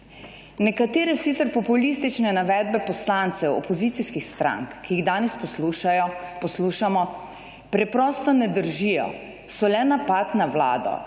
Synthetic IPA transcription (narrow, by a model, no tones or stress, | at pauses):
nɛkat̪eːɾɛsit̪sɛɾpɔpulist̪it͡ʃnɛnaʋɛːd̪̚bɛpɔslant̪sɛwɔ̰pɔzit̪siskixst̪ɾa̰ŋkːijiɣd̪aːnɛspɔsluʃajɔpɔsluʃamɔ | pɾɛpɾɔst̪ɔnɛd̪əɾʒijɔ̰ | sɔlɛnapat̪nawla̰ːd̪ɔ̰